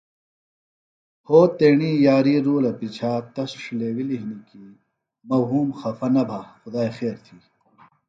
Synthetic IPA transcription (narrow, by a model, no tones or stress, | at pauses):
hoːt̪eːɳiːjaːɾiːɾuːlɐpit͡ɕʰaːt̪ɐsʂileːwiliɦniki | mɐwɦuːmxɐfɐnɐbʱaxʊd̪aːixeːɾt̪ʰiː